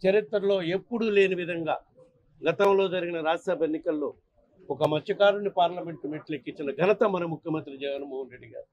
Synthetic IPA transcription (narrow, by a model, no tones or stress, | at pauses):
t͡ʃɐɾit̪ːɾɐlo̞ːe̞pːuɽule̞ːniʋid̪ʱɐŋɡa̰ː | ɡɐt̪ɐmlo̞ːd͡ʒɐɾiɡinɐɾaːd͡ʒɐsɐbʱɐjenːikɐlːo̞̰ː | ɔkɐmɐtt͡ʃːɐkaːɾunipaːɾlɐme̞ɳʈumiʈlekːit͡ʃːinɐɡʱɐnɐt̪ɐmɐnɐmukʰjɐmɐnt̪ɾid͡ʒɛɡɐnmoːɦɐnɾe̞ɖːiɡa̰ːɾu